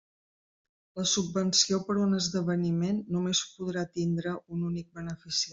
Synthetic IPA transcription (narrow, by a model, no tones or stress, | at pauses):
ləsubːənsiopəɾunəzðəβənimenːumespuðɾat̪ind̪ɾəʔununik̚bənəfisia